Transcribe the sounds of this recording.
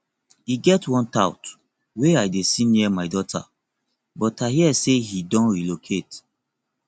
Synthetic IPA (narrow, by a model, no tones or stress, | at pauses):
iɡɛtwɔ̃ntaʊt | weajdesĩnɛmaɪdɔtʰa̰ | bɔtaɦiɛsehidɔ̃nɹilokʰet